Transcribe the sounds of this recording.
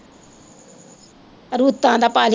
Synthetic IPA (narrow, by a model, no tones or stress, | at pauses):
ɾuːt̪ːãːd̪aːpaːl